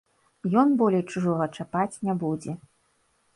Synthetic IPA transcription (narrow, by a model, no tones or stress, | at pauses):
jɔnbɔlʲejt͡ʂuʐɔɣɐt͡ʂapat͡sʲnʲabud͡zʲɛ